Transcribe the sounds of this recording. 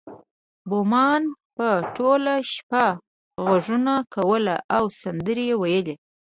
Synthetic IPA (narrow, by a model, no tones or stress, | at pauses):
bomɑnpəʈolaʃpa | ɣaʐunakawəlaʔawsand̪əɾejewajəle